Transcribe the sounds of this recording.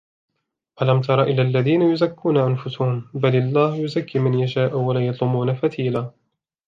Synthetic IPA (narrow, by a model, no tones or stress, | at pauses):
ʔalamt̪ɑɾˤɑʔɪlːaːlːaðiːnajʊzakːuːnaʔanfʊsʊhʊmbalɑlˤːaːhjʊzakːiːmɪnjaʃaːʔuwalaːjɑt̪ˤlʊmuːnafat̪iːlaː